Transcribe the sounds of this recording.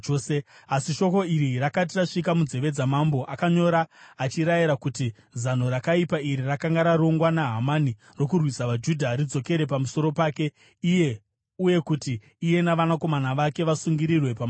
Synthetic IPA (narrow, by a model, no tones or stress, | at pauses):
seasiʃo̞ko̞iɾirakat̬iraʂikamud͡ze̞ʋe̞d͡zamambo̞ʔakaɲo̞ɾaːt͡ʃiɾajiɾakuti | zan̤o̞ɾakaipaiɾirakaŋɡaɾaɾo̞ŋɡwanaɦamani | ro̞kurwisaʋad͡ʒudʱaɾid͡zo̞ke̞ɾe̞pamuso̞ɾo̞paːke̞ | ije̞ | uje̞kutiː | je̞naʋanako̞manaʋake̞ʋasuŋɡiɾirwe̞pam